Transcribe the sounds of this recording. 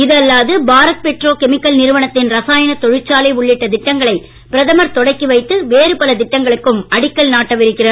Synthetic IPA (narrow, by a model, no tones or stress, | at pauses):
ɪðɐlːaːðɯbaːɾɐk̪̚pɛʈroːkɛmɪkːɐlnɪɾɯʋɐɳɐt̪ːɪnɾɐsaːjɐnɐt̪ɔɻɪt͡ʃːaːleːʊɭːɪʈːɐd̪ɪʈːɐŋɡɐɭɐɪ | pɪɾɐðɐmɐɾt̪ɔɽɐɪkːiʋɐɪt̪ːɯʋeːɾɯpɐlɐd̪ɪʈːɐŋɡɐɭɯkːɯmɐɽɪkːɐɭnaːʈːɐʋɪɾɯkːɪrɐ